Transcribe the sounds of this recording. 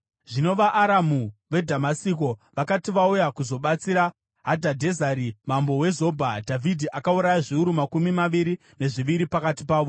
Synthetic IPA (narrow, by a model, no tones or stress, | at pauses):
ʐino̞ʋaʔːɾamuʋe̞dʱamasiko̞ʋakatiʋaujakuzo̞ɓat͡siɾa | ɦadʱadʱe̞zaɾimambowe̞zo̞bʱadʱavʱidʱiʔakauɾajaʐiuɾumakumimaʋiɾi | ne̞ʐiʋiɾipakatipaːʋo̞